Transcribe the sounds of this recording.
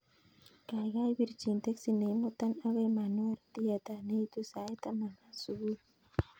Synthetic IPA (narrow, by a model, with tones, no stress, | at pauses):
ka˨jɣa˦jbi˦ɾt͡ʃi˨nt̪e˦ksine˨mo˦t̪a˦naβe˦ma˨nwe˦ɾt̪iat̪a˨ne˦it̪usa˨e˦t̪ama˨masuβuɾ